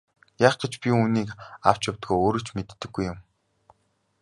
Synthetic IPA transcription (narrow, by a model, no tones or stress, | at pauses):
jaːχɡ̥et͡ɕpʲiuːniːka̰w̥t͡ɕjawt̪ɡoːjoːɾɵ̆t͡ɕmet̪ːɘ̆ɡːujːʊm